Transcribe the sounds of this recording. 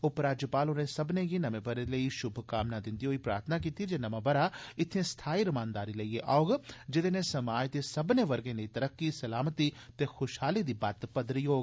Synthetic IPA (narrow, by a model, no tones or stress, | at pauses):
ʊpɾaːd͡ʒəpaːlonẽsɐbnẽɡinɐmebəɾeleiʃʊbʱkaːmnad̪ɪ̃nd̪iɦoːipɾa̰ːɾt̪ʰənak̬iːt̪id͡ʒenɐmãbɐɾaɪt̪ʰẽst̪ʰaːiɾɐmãːnd̪aːɾilɐieʔaoɡd͡ʒɪd̪enẽsɐmaːjd̪esɐbneʋɐɾɡẽleit̪ɐɾəkːisɐlaːmt̪it̪exoːʃɦaːlid̪ibaːt̪pɐd̪ɾijoːɡ